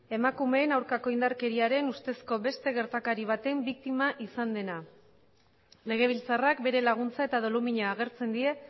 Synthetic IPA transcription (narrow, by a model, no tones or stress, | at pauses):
e̞makume̞ːnawɾkako̞ind̪aɾke̞ɾiaɾe̞nust̪e̞sko̞βe̞st̪e̞ɣe̞ɾt̪akaɾiβ̞at̪e̞mbik̚t̪imaʔisand̪e̞na | le̞ɣ̞e̞β̞ilt͡sarakbe̞ɾe̞laɣ̞unt͡sae̞t̪að̞o̞lumiɲaːɣ̞e̞ɾt͡se̞nd̪ie̞